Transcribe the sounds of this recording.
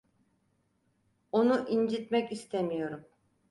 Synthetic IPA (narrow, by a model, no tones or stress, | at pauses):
onuʔind͡ʒit̪mɛcist̪ʰemijo̞ɾum